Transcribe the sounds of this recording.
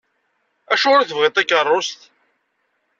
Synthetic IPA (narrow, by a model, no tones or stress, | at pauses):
æʃʊɾæθəvʁɪt̪ˤækːərˤːost̪